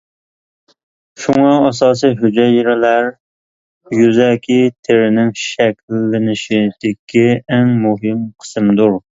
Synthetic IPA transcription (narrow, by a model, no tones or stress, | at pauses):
ʃuŋɑːsɑːs̬ijɦod͡ʒɛjɪɾɪlæɾ | jyzɛkʲʰit̪ʰɪɾɪnɪŋʃɛkʲlːɪnɪʃɪd̪̥ɪkʲʰːiɪŋmʊɦɪmqʰə̥sɨmd̪uɾ